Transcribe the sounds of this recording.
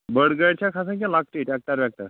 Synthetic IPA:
bəɽɡəɽt͡ɕʰjakʰas̬ãk̬ʲjãlak̚ʈiʈjak̚t̪aɾbjak̚t̪aɾ

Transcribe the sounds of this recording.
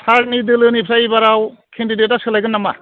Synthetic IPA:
tʰaɾt̚nidɯlɯnipʰɾajibaɾawkʰendidet̚ːasɯlajɡɯnːama̰

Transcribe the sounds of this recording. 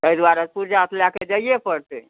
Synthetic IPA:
t̪əid̪waɾət̪puɾd͡ʒat̪ʰljaked͡ʒəijepəɽt̪e

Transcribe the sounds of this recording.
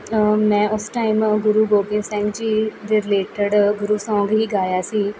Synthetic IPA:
mɛ̃ːʊsʈaːimɡʊɾuːɡoːbɪnsɛ̃ːŋɡd͡ʒiːd̪eːɾɪleːʈəɖɡʊɾuːsɔ̃ːŋɡɦiːɡaːjaːsiː

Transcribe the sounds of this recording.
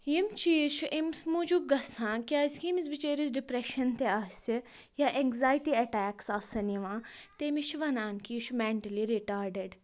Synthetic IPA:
jimt͡ʃʰiːʃʰuʔimsmud͡ʒub̚ɡɐsãːkʲaːiskimisbit͡ʃeːɾizɖipɾeʃɐnt̪eaːssi | jaʔɛŋɡzaːjʈiɐʈɛːksaːsɐnjiʋãːt̪emiʃʰʋɐnaːnkiːʃʰumeɳʈɐliɾiʈaːɾɖəɖ

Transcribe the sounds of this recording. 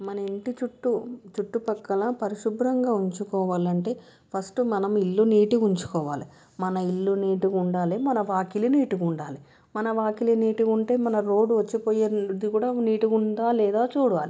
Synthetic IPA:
mɐnɐeɳʈit͡ʃuʈːut͡ʃuʈːupɐkːɐlɐpɐɾiʃubɾɐŋɡaːuɲt͡ʃukɔːʋaːlɐɳʈe̞ː | pʰɐsʈumɐnɐmilːuniːʈikuɲt͡ʃu̥kɔːʋa̰ːli | mɐnɐilːuniːʈikuɳɖaːlimɐnɐʋaːkiliniːʈukuɳɖaːli | mɐnɐʋaːkiliniːʈikuɳʈe̞ːmɐnɐɾo̞ːɖuʋɐt͡ʃːipoːjed̪ikuːɽaːniːʈiuɳɖaːlɛːd̪aːt͡ʃuːɽɐʋa̰ːli

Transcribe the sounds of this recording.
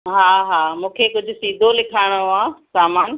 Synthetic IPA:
ɦaːɦaːmũːkʰekʊd͡ʑʱʊsiːd̪ʱolɪkʰaːɪɽ̃oãːsaːmaːn

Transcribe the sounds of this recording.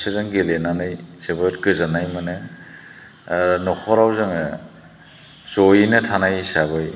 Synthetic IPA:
sɯzaŋɡelenanɯjsebɯɾkɯzanajmanɯ | nɔkʰɔɾawzɯŋ | sojinɯtʰanajsaβɯj

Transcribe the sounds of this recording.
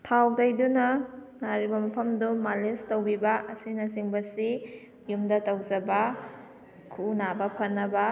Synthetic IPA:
tʰawdajdunɐ | naɾibɐmɐpʰɐmdumalestowbibɐʔɐsinɐsiŋbɐsi | jumdɐtɐwzɐbɐ | kʰunabɐpʰɐnːɐbɐ

